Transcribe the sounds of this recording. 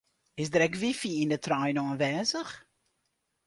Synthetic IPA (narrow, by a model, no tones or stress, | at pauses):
ɪsdəɾɛkvifiindətrɑjnoanʋɛːzəχ